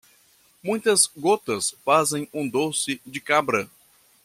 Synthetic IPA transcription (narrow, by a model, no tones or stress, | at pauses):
mũj̃t̪ɐzɡot̪ɐsfazẽj̃ũd̪osɪd͡ʒɪkabɾɐ